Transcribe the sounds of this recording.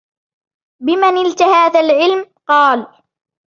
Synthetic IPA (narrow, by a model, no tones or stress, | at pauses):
bɪmanɪlt̪ahaːθalʕɪlmqɑːl